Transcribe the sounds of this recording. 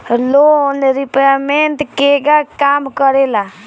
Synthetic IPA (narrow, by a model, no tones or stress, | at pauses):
lonɾipament̪keɡakamkəɾela